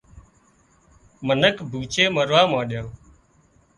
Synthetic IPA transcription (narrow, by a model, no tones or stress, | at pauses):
mənəkbʱuːt͡ʃeːməɾʋaːmãːɗjãː